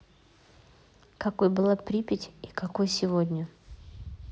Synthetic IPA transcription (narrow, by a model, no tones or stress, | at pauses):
kɐkojbɨlˠapɾʲipʲɪtʲikakojsʲɪvodʲnʲʊ